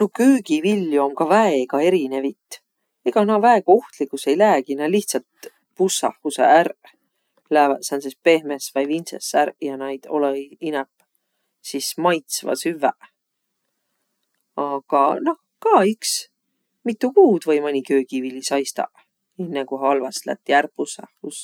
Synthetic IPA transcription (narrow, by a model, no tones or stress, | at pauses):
nokøːɡivilːjuo̞mkɑvæeɡ̥ɑe̞ɾine̞vit̪ˑ | eɡ̥ɑnɑvæeko̞ht̪likːˑuse̞jlæːɡ̥inɑliht̪sɑlt̪̚ | pusːɑ̰hkusḛærʔ | læːvɑt̪sænsespe̞hmesvɑjvinsḛsːæɾʔjɑnɑjd̪̥o̞̰leinɛp | sismɑjt̪svɑ̰syvæʔ | ɑɡ̥ɑno̞h | kɑːiks | mit̪ˑːukuːd̪̥vɤjmɑnʲikøːkivilisɑjst̪ɑ̰ʔ | inːekuɦɑlvɑslæ̰t̪ːˑiærpusɑ̰hːus